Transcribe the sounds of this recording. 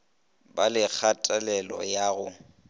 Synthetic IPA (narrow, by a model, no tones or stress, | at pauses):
balɪk͡xʰatʼalɛlɔ̰jaːɣʊ